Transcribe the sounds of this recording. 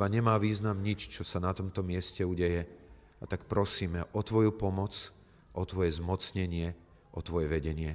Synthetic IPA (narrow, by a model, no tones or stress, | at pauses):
aɲɛmaːʋiːznamɲit͡ʃt͡ʃɔsanat̪ɔmt̪ɔmɪɛscɛuɟɛjɛ | at̪akpɾɔsiːmɛʔɔt̪ʋɔjupɔmɔt͡s | ʔɔt̪ʋɔjɛzmɔt͡sɲɛɲɪɛ | ʔɔt̪ʋɔjɛʋɛɟɛɲɪɛ